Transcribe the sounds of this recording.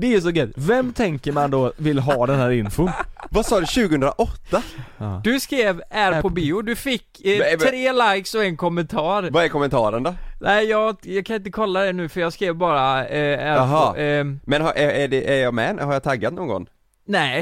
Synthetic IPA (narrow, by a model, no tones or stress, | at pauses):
d̪ɛæjɵs̬ɔɡœvɛmːt̪ʰɛŋkəɾmand̪ovɪlɦɑːd̪ɛnhæːɾɪnfʊvasɑːd̪ɵɕʉ̟ːɡəɵnd̪ɾa̰ʔɔt̪ːad̪̥ɵskɾeːvæɾpʰɔbiːʊd̪ɵfɪkːtʰɾeːlajksɔɛnkʰɔmːɛnt̪ʰɑːɾvaɛɾkɔmɛnt̪ʰɑ̰ːɾənd̪ɔnʔɛɪjɑːɡjɑːɡ̚kʰanɪnt̪̬əkʰɔlːad̪ɛnʉ̟ːfœɾjɑːɡskɾeːvbɑːɾaæɾɦ | mɛnhaʔɛæɖɛʔæɾjɑmɛ̰haɾjɑt̪ʰaɡːat̪nɔːŋɡɔ̰ŋː | nɛ